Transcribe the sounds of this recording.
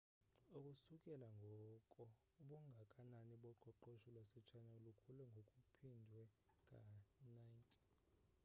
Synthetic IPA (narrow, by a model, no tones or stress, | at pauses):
ukʼusukʼɛlaŋɡʱɔkʼɔ | uɓuŋɡʱakʼananiɓɔǃɔǃoʃulwasɛt͡ʃʰanalukʰulɛŋɡʱokʼupʰindʱwɛkʼa̰najntʼi̥